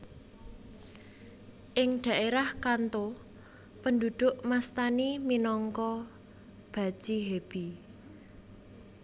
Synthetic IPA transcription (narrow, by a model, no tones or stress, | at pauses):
ʔɪŋɖ̪̥a̤ʔeɾahkant̪o | pəndud̪̥ʊ̤ʔmast̪animinɔŋkɔ | b̥ä̤̥ʒ̥iɦeb̥i